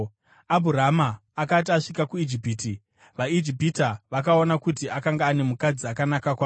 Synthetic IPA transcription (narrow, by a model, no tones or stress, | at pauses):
abʱuɾamaːkat̬iaʂikakuid͡ʒipiːti | ʋaid͡ʒipitaʋak̬aonakutiʔakaŋɡaːne̞mukad͡ziakanakakwaː